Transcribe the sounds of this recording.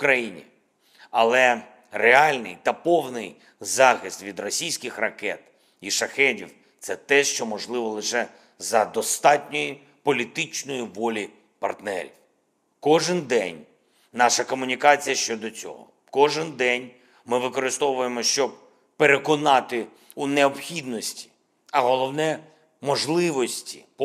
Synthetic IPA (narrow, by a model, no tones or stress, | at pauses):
ʊkɾɐjinʲḭ | ɐlˠɛ | reɑlʲnɪ̰jt̪ɐpɔwnɪj | zɑxɪst̪ʋʲid̪rɔsʲijsʲkɪxrɐkɛt̪ | iʃɐxɛdʲḭw | t̪sɛt̪ɛʃt͡ʃɔmɔʒlˠɪʋɔlˠɪʃɛ | zɐd̪ɔst̪ɑtʲnʲɔji | pɔlʲit̪ɪt͡ʃnɔjiʋɔlʲi | pɐ̰rt̪nɛ̰ɾʲiw | kɔʒɪnd̪ɛ̰nʲ | nɑʃɐkɔmʊnʲikɑt͡sʲijɐʃt͡ʃɔd̪ɔt͡sʲɔ̰ɦɔ̰ | kɔʒɪnd̪ɛnʲ | mɪʋɪkɔɾɪst̪ɔʋʊjemɔʃt͡ʃɔb̚ | peɾekɔnɑt̪ɪ | uneɔbxʲid̪nɔsʲtʲi̥ | ɐɦɔlˠɔwnɛ | mɔʒlˠɪʋɔsʲtʲi